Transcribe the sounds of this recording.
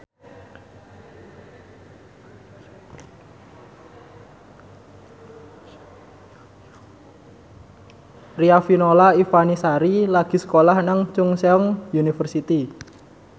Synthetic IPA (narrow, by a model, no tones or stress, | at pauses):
riafinolaifanisaɾilaɡ̥i̤sə̥kolahnaŋt͡ʃʊŋseɔŋjunifərsit̪i